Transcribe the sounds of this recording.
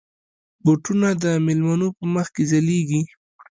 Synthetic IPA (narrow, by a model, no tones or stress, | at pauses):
boʈunad̪əmɪlmanopəməxkezaleɡi